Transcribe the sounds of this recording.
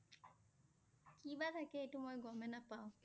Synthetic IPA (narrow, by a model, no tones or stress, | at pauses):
kʰiʋat̪ɐkeiʈumojɡomenɐpaw